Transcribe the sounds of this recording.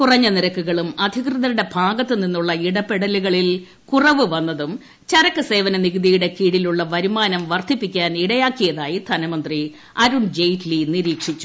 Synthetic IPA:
kurɐɲːɐniɾɐkːuɣɐɭumɐd̪ʱikrɨðɐɾuɽe̞bʱaːɡɐt̪ːɨninːuɭːɐiɽɐpːeɽɐliɣɐɭil | kurɐʋɨʋɐnːɐðum | t͡ɕɐɾɐkːɨse̞ːʋɐnɐniɣɨðijuɽe̞kiːɽiluɭːɐʋɐɾumaːnɐmʋɐrt̪ʰipːikʲːaːniɽɐjaːkːijɐðaːjid̪ʱɐnɐmɐnd̪ri | ɐɾuɳd͡ʑejtliniɾiːkʂit͡ɕːu̥

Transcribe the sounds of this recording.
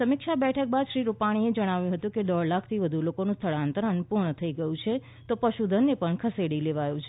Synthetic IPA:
səmɪkʃabɛʈʰək̚bad̪ʃɾiɾupaɽ̃ied͡ʒəɽ̃aʋjũɦət̪ũked̪əɭlakʰt̪ʰiʋəd̪ʱulokonũst̪ʰəɭãnt̪ɾənpuɾɳət̪ʰəiɡəjũt͡ʃʰe | t̪opəʃud̪ʱənːepəɳkʰəseɽileʋajũt͡ʃʰe

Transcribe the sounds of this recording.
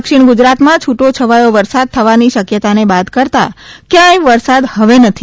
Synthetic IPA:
kʃiɳɡud͡ʒɾat̪mãt͡ʃʰuʈot͡ʃʰəʋajoʋəɾsad̪̚t̪ʰːəʋaniʃəkjət̪anebat̪kəɾt̪a̰kjãjʋəɾsad̪həʋenət̪ʰi

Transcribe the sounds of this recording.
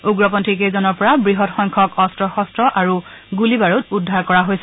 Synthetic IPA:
uɡɹɔpɔntʰikezɔnɔɹpɔɹabɹiɦɔtxɔjŋkʰɔkɔstɹɔxɔstɹɔʔaɹu | ɡulibaɹutudʱaɹkɔɹaɦojsɛ

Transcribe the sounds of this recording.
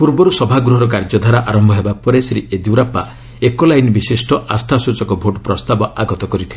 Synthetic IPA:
puɾbɔɾusɔbʱaɡɾuɦɔɾɔk̬aɾd͡ʒɔd̪ʱaɾaʔaɾɔmbʱɔɦebapɔɾesɾied̪uɾapːa̰ | ekolajnbisisʈɔʔa̰st̪ʰasut͡ʃɔkɔbʱoʈpɾɔst̪abɔʔaɡɔt̪ɔkɔɾit̪ʰile

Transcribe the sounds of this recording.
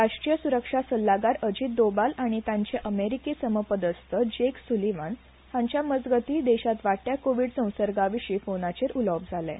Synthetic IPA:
ɾaɕʈɾijəsuɾəkʂasəlːaɡaɾəd͡ʑiːt̪̚d̪obalaɽ̃it̪jãɲt͡ɕeʔəmeɾikisəməpəd̪əst̪ʰəd͡ʑeksuliʋan | haɲt͡ɕjaməd͡zɡət̪iːd̪ɛɕat̪ʋaʈːjakoʋiːɽt͡sə̃w̃səɾɡaʋiɕiːfonat͡ɕeɾʔuləp̚d͡zʱalɛ̰̃

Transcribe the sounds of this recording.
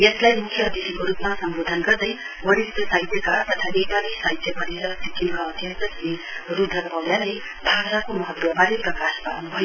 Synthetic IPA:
jeslajmukʰjʌːd̪isikoɾupmasʌmbod̪ʱʌnɡʌrd̪ʌj | wʌɾist̪ʌsajt̪jʌkat̪ʌt̪ʰaʔepalisajt̪jʌpʌɾeɾʌsikiŋkaʌt̪jʌtʌsni | rud̪ʱːʌkbʌwjalej | bʱaɡɾakomʌɦʌt̪wʌbaɾeprʌkaspanubʱʌjo

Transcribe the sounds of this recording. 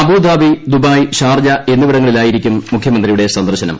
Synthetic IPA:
ɐbuːd̪aːbid̪ubaːjɕaːrd͡ʑɐe̞nːuʋiɽɐŋːɐɭilaːjiɾikʲːumːukʰjɐmɐnd̪rijuɽe̞sɐnd̪ɐrɕɐnɐ̰m

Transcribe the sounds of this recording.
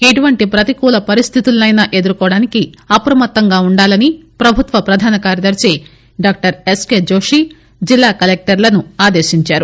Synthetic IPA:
eʈuʋɐɳʈipɾɐt̪ikuːlɐpɐɾist̪ʰit̪ulːɐjnaːʔe̞d̪uɾukɔːɽaːnikiɐpɾɐmɐt̪ːɐŋɡaːuɳɖaːlɐnipɾɐbʱut̪ʋɐpɾɐd̪ʱaːnɐkaːɾjɐd̪ɐɾt͡ʃeː | ɖaːk̚ʈɐɾeskeːd͡ʒo̞ːʂi | d͡ʒilːaːkɐlek̚ʈɐɾlɐnuaːd̪eːʃiɲt͡ʃaːɾu

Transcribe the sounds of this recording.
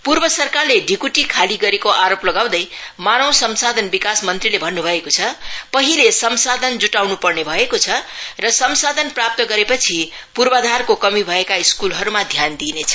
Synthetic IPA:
purbʌsʌrkarleɖʱikuʈikʰaliɡʌɾekoʔaɾoplʌɡaw̃d̪ʌjmanʌw̃sʌmsad̪ʱʌnbikasmʌnt̪rilebʱʌnːubʱʌekot͡sʰʌpʌɦilesʌmsad̪ʱʌnd͡zuʈawnupʌrnebʱʌekot͡sʰʌrʌsʌmsad̪ʱʌnprap̚t̪ʌɡʌɾepʌt͡sʰi | purbʌd̪ʱarkokʌmibʱʌekaiskulɦʌɾumad̪ʱjand̪inet͡sʰʌ̥

